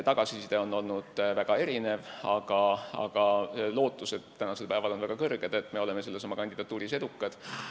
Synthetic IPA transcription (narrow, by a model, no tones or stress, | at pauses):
t̪ɑɡ̥ɑsisid̪̥eo̞nːo̞lnud̪̥væɡ̥ɑe̞ɾine̞vɑɡ̥ɑɑ̰ɡ̥ɑlo̞ːt̪ːˑuse̞d̪̥t̪ːænɑse̞lpæevɑlo̞nvæɡ̥ɑkɤrɡ̥ed̪̥e̞t̪ːˑme̞o̞le̞me̞se̞lːesomːɑkɑnʲd̪id̪ɑt̪ːˑuːɾised̪ukˑːɑd̪̥